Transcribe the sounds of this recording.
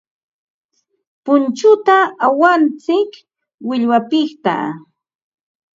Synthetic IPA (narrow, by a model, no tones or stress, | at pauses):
pʊnt͡ʃʊt̪aawant͡sɪk | wɪʎwapɪχt̪a̰